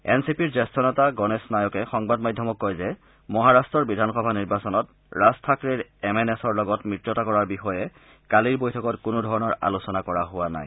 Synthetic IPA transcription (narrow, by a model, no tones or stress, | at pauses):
ɛnsipiɹzɛstɔnɔtaɡɔnesnajɔkɛxɔŋbadmadʱːɔmɔkːɔjzɛ | mɔɦaɹastɹɔɹbidʱanxɔbʱaniɹbasɔnɔt | ɹastʰakɹeɹɛmenesɔɹlɔɡɔtmɹitɹɔtakɔɹaɹbixɔjɛ | kaliɹbojtʰɔkɔtkʊnʊdʱɔɹɔnɔɹa̰lusɔnakɔɹaɦʊwana̰j